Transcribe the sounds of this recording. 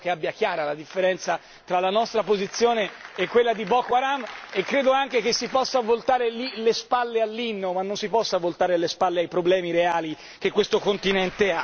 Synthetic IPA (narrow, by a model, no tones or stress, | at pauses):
keabjak̟jaːɾalad̪ifːeɾɛnt̪sa | t̪ɾalanɔst̪ɾapozit̪sːjoːneːkːwelːad̪ibɔkoaɾamekːɾeːd̪oaŋk̟ek̟esːipɔsːavolt̪aːɾelilespalːealːinːomanːonsipɔsːavolt̪aːɾealespalːeajpɾoblɛːmiɾeaːli | k̟ekːwest̪okont̪inɛnt̪ea